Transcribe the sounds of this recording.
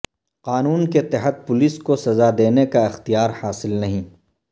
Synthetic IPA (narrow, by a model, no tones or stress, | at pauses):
qaːnuːnket̪ɪɦət̪̚pʊliskosɐzad̪eːnekaɪxt̪ijaːɾhaːsɪlnɐɦĩː